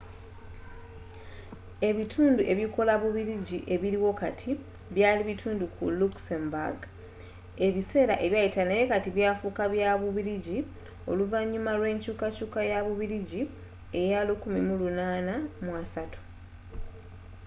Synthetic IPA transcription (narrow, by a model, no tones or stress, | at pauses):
e̞βitʰuːnduʔe̞βjiko̞laβuβiɾiɟiʔe̞βiɾiwo̞katʰi | βjaːliβitʰuːndukʰṵluksemba̰ɡ | e̞βise̞ːɾa̰ʔe̞βjajitaneje̞katiβjaːfukaβjaβuβiɾiɟi | o̞̰luvaɲːumalwe̞ːɲcuːkacuːkajaβuβiɾiɟi | ejalukumimulunaːnamwasatu̥